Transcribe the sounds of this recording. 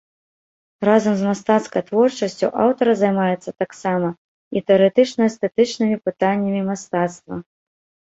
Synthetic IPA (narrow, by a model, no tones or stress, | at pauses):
razɐmzmast̪at̪skɐjt̪vɔrt͡ʂɐsʲt͡sʲṵʔa̰wt̪ɐɾɐzajmajɛt̪sːɐt̪aksamɐ | it̪ɛɐɾɛt̪ɨt͡ʂnɐɛst̪ɛt̪ɨt͡ʂnɨmʲipɨt̪anʲːɐmʲimast̪at̪st̪vɐ̰